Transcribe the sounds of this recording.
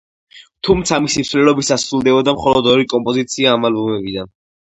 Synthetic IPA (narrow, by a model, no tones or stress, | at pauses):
t̪ʰumt̪sʰamisimsvlɛlɔbisasɾulˠd̪ɛbɔd̪amχɔlɔd̪ɔɾikʼɔmpʼɔzit̪sʰiaːmalbɔmɛbid̪an